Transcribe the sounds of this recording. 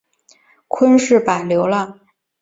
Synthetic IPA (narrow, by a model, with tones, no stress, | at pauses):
kʰwə˥nʂɻ̩˥˩pa˨˩ljo˧˥ʊlə˥˧